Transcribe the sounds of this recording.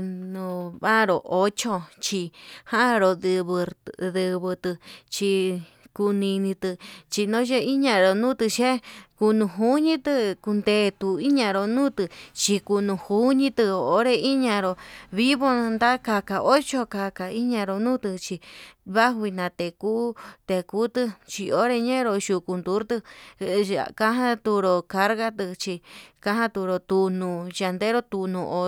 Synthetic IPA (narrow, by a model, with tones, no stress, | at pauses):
nũ˧βa˦˨ɾo˨ʔo˦t͡ʃo˧t͡ʃi˧hã˦˧ɾo˧dɨ˧βɨ˧ðɨ˧βɨ˧t̪ɨ˧t͡ʃi˧ | ku˧nĩ˧nĩ˧t̪ɨ˧t͡ʃi˧nõ˦ʒe˦i˦ɲã˧ɾo˨nũ˦t̪ɨ˧ʃe˦ku˧nũ˧ɦu˦ɲĩ˦t̪ɨ˧ku˧nd̪e˧˨˧t̪u˧i˦ɲã˧ɾo˧nũː˦t̪ɨ˧t͡ʃi˧ku˧nũ˧hu˦ɲĩ˧˦t̪ɨ˧˨o˨˦ɾe˦˧i˦ɲã˧ɾo˧βi˦βo˦˧nd̪a˦ka˧ka˨ʔo˦t͡ʃo˧ka˧ka˧i˦ɲã˧ɾo˧nũː˦t̪ɨ˧t͡ʃi˧βa˦ɦi˧nã˨˧t̪e˨kuː˦t̪e˧˨kuː˦t̪ɨ˧t͡ʃi˧o˦ɾe˧ɲẽ˦˧ɾo˧ʃu˧ku˧nd̪u˨˦ɾt̪ɨ˧ | a̰˨ka˦ɦã˦t̪u˧ɾo˧ka˧ɾɣa˦t̪ɨ˧t͡ʃi˧kã˧˦ɦã˦t̪u˧ɾo˧t̪u˧nũ˧˨ja˧nd̪e˦ɾo˧t̪u˧nũ˧ʔo˧